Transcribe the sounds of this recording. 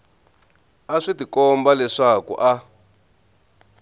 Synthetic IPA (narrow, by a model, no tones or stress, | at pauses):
aʂitikɔmbalɛʂakṵʔa